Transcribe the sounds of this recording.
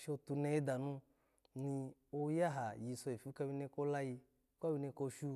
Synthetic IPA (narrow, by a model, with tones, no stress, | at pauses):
ʃo˧tu˧ne˧e˦da˨nũ˧ | ni˧o˦ja˦ɦa˨ji˧so˧e˨fi˦ka˧˦bi˧ne˧˦ko˦la˦ji˧˦ | ka˦bi˧ne˧ko˧ʃu˧